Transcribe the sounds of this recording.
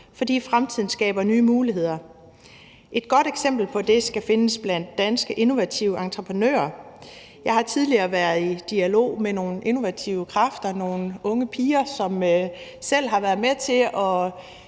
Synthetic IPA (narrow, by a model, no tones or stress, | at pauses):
fɒ̽d̥ḭːfʁamt͡sʰið̰ˠn̩sɡ̥ɛ̰ːb̥ɐnyːmuːliɦe̝ð̞̰ˠɐ | ʔe̝d̥̚ɡ̥ɒ̽ɾ̥eɡ̥sem̰b̥l̩pʰɒ̽d̥e̝sɡ̥æfe̝nəsb̥læn̰d̥ːænsɡ̥əʔe̝no̝ʋæt͡sʰiʊəɑ̈nt͡sʰʁəpʰənø̰ːɐ | jɑ̈ɪhɑ̈t͡sʰið̞ˠliɐːʋæɐðˠid̥iælo̝̰ːmeno̝ːn̩ʔe̝no̝ʋæt͡sʰiʊəkʰʁɑfd̥ɐno̝ːn̩ɔ̽ŋəpʰiːɐsɒ̽msel̰ɦɑ̈ʋæɐðˠmet͡sʰe̝ʔɒ̽